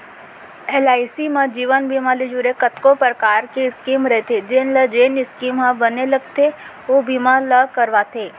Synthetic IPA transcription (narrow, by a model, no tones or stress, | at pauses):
eːlaːɪsimãd͡ʒiːʋənbiːmaled͡ʒuɾekət̪kopɾəkaːɾkeɪskiːmɾɐɦet̪ʰed͡ʒenləd͡ʒenɪskiːmɦãbɐnelɐɡt̪ʰeʋobiːmãləkɐɾʋat̪ʰeː